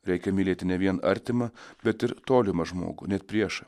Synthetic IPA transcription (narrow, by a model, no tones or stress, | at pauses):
ɾʲɛɪkʲɛmʲɪlʲeːt̪ʲɪnʲɛʋʲiɛnɐ̰ɾʲt̪ʲɪmɐbʲɛt̪ɪɾt̪oːlʲɪmɐʒmo̰ːɡʊnʲɛt̪̚pʲɾʲiɛʃɐ